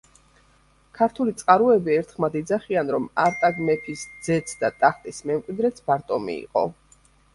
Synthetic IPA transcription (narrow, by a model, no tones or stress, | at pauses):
kʰaɾt̪ʰulit̪sʼqʼaɾuɛbiɛɾt̪ʰχmad̪id̪zaχianɾɔmaɾt̪ʼaɡmɛt̪ʰisd̪z̥ɛt̪sʰd̪at̪ʼaχt̪ʼismɛmqʼwid̪ɾɛt̪sbaɾt̪ʼɔmḭːqʼɔ̰